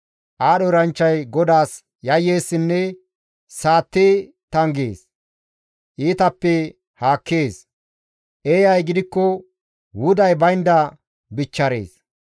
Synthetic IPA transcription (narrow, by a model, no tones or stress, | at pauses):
ʔaːɗɔɾɐnt͡ʃːɐjɡɔd̪aːs | jɐjːe̞ːsːɪnːɛ | saːt̪ːeː | t̪ɐŋɡḛːs | ʔiːt̪ɐpːɛ | haːkːeːs | ʔeːjɐjɡɪd̪ɪkːɔ | wʊd̪ɐjbɐjnd̪ɐ | bɪt͡ʃːɐɾḛːs